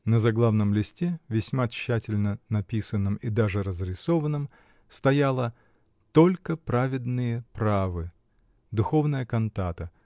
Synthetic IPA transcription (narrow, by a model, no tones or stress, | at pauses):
nəzɐɡlˠavnəmlʲɪsʲtʲevʲɪsʲmaɕːætʲɪlʲnənɐpʲisənːɨmid̪aʐɨɾəzɾʲɪso̞vənːɨm | st̪ɐjalˠə | t̪o̞lʲkəpɾavʲɪd̪nɨjəpɾavɨ | d̪ʊxo̞vnəjəkɐnt̪at̪ə